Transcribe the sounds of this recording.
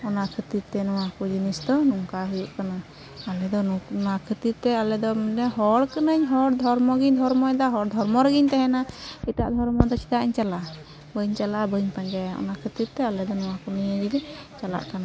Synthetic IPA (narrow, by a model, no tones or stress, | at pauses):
ɔnaʔkʰət̪iɾ̚t̪ɛnɔwakɔd͡ʒinisd̪ɔnuŋkaɦujuʔkana | alɛd̪ɔnakʰət̪iɾt̪ɛalɛd̪ɔminɛɦɔɽkənəɲɦɔɽd̪ʱɔɾmɔɡiɲd̪ʱɔɾmɔɛd̪aɦɔɽd̪ʱɔɾmɔɾəɡiɲt̪ɛɦɛnaiʈa̰ʔd̪ʱɔɾmɔd̪ɔt͡ʃi̥t̪aʔiɲt͡ʃalaʔ | bəɲt͡ʃalaʔbəɲpaɲd͡ʒajɔ̰nakʰət̪iɾt̪ɛalɛd̪ɔnɔw̃akɔnijəd͡ʒilit͡ʃala̰ʔkana